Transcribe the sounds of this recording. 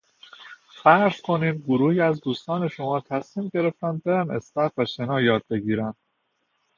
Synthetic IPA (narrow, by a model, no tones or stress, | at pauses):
fæɾɾz̥kʰo̞niːmɡoɾuːhiːæzd̪uːst̪ɒːne̞ʃo̞mɒːt̪ʰæsmiːmɟe̞ɾe̞ft̪ænd̪̚beɾænest̪æfvæʃenɒːjɒːd̪̚be̞ɡiːɾænd̪̥